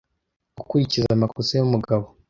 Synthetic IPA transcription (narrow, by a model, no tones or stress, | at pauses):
ukuɾicizamakusejumuɡaβo